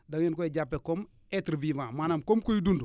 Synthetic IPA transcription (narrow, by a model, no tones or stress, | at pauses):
daŋjinkoeɟapːekom | etɾvivãːmaːnamkomkojidundu